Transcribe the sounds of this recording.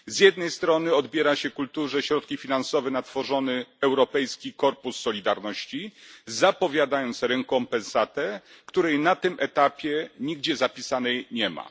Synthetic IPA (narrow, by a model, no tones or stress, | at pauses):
zjɛd̪nɛjst̪ɾɔnɘɔd̪bʲjɛɾaɕɛkult̪uʐɛɕɾɔt̪̚kʲifʲinansɔvɛnat̪fɔʐɔnɘɛwɾɔpɛjskʲikɔɾpusːɔlʲid̪aɾnɔɕt͡ɕizapɔvʲjad̪ajɔnt̪sɾɛŋkɔmpɛnsat̪ɛkt̪uɾɛjnat̪ɘmʔɛt̪apʲjɛɲiɡd͡ʑɛzapʲisanɛjɲɛma̰